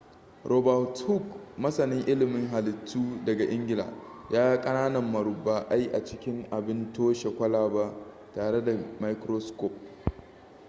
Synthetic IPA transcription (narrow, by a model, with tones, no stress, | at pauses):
ɾʔo˨ba˨thu˦˨kmɐ˦sɐ˨nɪ˦ŋʔɪ˦lɪ˨mɪ˦ŋɦa˨lɪ˨tʰːuː˦dɐ˨ɡa˨ʔɪ˦ŋɡʲɪ˨la̰ː˨jʔaː˦ja˦kʼɐ˦naː˦nɐ˨mːɐ˨ɾʊ˨bːaː˨ʔa˦ji˦ʔa̰˨t͡ʃɪ˦kʲɪ˦ŋʔa˨bɪ˦ntoː˦ʃe˨kʷɐ˦laː˨ba˦ʔ | taː˨ɽe˦da˨ma˦jkɾo˦skɔ˦˨p̚